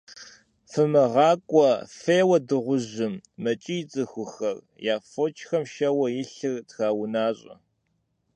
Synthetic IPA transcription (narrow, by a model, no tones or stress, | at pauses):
fɨmɨʁɑːkʷʼɔfeːwɐdɨʁʷʊʑɪmːɐt͡ʃʼijɪt͡sʼɨxʷʊxɐr | jaːfoːt͡ʃʼxɐmʃɐwɐjɪɬɨrtxaːwʊnaːɕʼɐ̰